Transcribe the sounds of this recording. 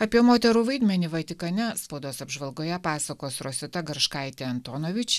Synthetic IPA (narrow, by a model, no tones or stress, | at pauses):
ɐpʲiɛmoːt̪ʲɛɾuːʋɐɪd̪ʲmʲɛnʲiːʋɐt̪ʲɪkɐnʲɛspɐʊd̪oːsɐbʒʋɐlˠɡoːjɛpɑːsɐkoːsɾoːsʲɪt̪ɐɡɐɾʃkɑɪt̪ʲeːɐnt̪oːnoːʋʲɪt͡ʃʲ